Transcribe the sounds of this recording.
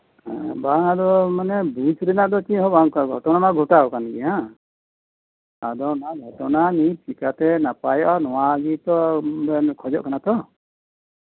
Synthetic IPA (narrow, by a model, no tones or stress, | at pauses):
ɛ̰̃baŋad̪ɔmanɛbujt͡ʃɾɛnaʔd̪ɔt͡ʃĩɦɔbaŋɡʱɔ̰ʈɔnamaɡʱɔʈaɔkanɡɛja | ad̪ɔnaɡʱɔʈɔnanit͡ʃikat̪ɛnapajɔʔanɔwaɡit̪ɔbɛnkʰɔd͡ʒɔʔkanat̪ɔ